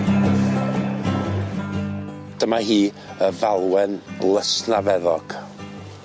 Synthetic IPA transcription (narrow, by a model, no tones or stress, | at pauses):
d̥əmahiː | əvalˠwɛnlˠəsnavɛðɔɡ̥